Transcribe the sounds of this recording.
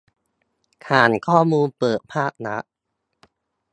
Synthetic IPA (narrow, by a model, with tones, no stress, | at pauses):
kʰaː˨˩nkʰɔː˥˩muː˧npɤː˨˩t̪̚pʰaː˥˩k̚na˦˥ʔ